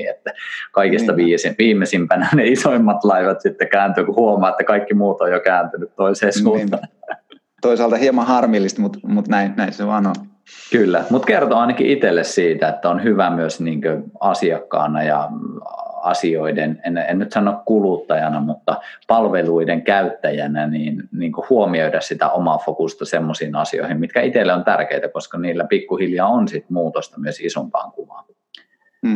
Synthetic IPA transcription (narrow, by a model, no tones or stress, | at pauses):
iet̪ːækɑikist̪ɑʋiːsiʋiːmˑesimpænæneisoimːɑt̪lɑiʋɑt̪sit̪ːekæːnt̪yːkuhuomˑɑːet̪ːækɑikːimuːt̪ojokæːnt̪ynyt̪t̪oiseːsuːt̪ːɑ | t̪oisɑːlt̪ɑhiemɑhɑrmilːist̪mut̪mut̪næinnæiseʋɑːno | kylːæmut̪kert̪oɑinɑkḭʔit̪elːessiːt̪æet̪ːæonhyʋæmyøsniːŋkøɑsiɑkːɑ̰ːnɑjɑ̰ | ɑ̰sioidenenḛnːnyt̪sɑnːˑoˑkkulut̪ːɑjɑnɑmut̪ːɑpɑlʋeluideŋkæyt̪ːæjænæniːnniːŋkohuomiøydæssit̪æ̰ʔomɑfokust̪ɑsemːosiːnɑsio̰ihimmit̪kæit̪elːeont̪ærkeit̪ækoskɑniːlːæpikːuhiljɑːonsit̪muːt̪ost̪ɑmyøsisompɑ̰ːŋkuʋɑ̰n